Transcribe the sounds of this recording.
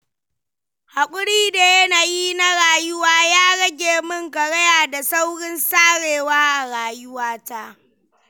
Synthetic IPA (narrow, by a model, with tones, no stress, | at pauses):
ha˨kʷʼʊ˦ɽiː˦da˨jɐ˦naː˨jiː˦na˦ɽaː˨jʊ˦waː˦jaː˦ɽɐ˦ɡʲeː˨mʊ˦ŋkɐ˨ɽɐ˦jaː˨da˨sa˦wɽɪ˦nsaː˦ɽeː˨waː˦ʔa˨ɽaː˨jʊ˦waː˦ta˦ʔ